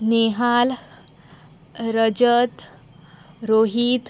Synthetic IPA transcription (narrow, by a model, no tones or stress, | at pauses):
neɦal | ɾəd͡ʑət̪ | ɾoɦiːt̪